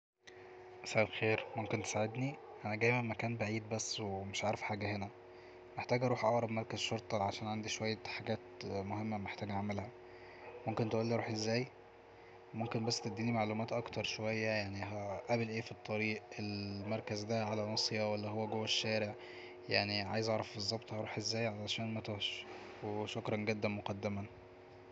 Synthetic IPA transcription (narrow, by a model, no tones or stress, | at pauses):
ʔæsʔæːʔlxeːɾmomkent̪e̥saʕed̪ni | ʔænæɡæːjmæmmækæːnbaʕiːd̪bæsːweemeʃʕaːɾefħaːɡæhenæ | meħt̪æːɡʔɑɾuːħʔɑʔɾˤɑbmɑɾˤkæzʃoɾˤt̪ˤɑʕaʃæːnʕand̪iʃowæjːæħaɡæːt̪mohemːæmeħt̪æːɡʔæʕmælhæ | momkent̪eʔuːlːiʔɑɾuːħʔezːæːj | momkenbæsːt̪ed̪ːiːnimaʕlumæːt̪ʔɑkt̪ɑɾˤʃowæjːæjaʕniɦæʔæblʔeːfit̪ˤːɑɾiːʔelmɑɾˤkæzd̪æʕalænɑsˤjɑwælːæɦowːæɡowːæʃːæːɾeʕ | jaʕniʕa̰jezʔɑʕɾˤɑfbezˤːɑbt̪ˤhɑɾˤuːħʔezːæːjʕalæʃæːnmæt̪ohʃ | weʃokɾˤɑnɡed̪ːænmoqɑd̪ːemæn